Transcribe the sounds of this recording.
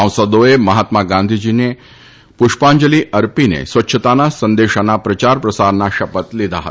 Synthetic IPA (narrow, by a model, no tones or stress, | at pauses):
ãw̃səd̪oeməɦat̪maɡãnd̪ʱid͡ʑine | puʃpãɲd͡ʒəliəɾpinḛsʋətːɕʰət̪anasə̃nd̪eʃanapɾət͡ʃaɾpɾəsaɾnaʃəpət̪lid̪ʱa̰ɦə̰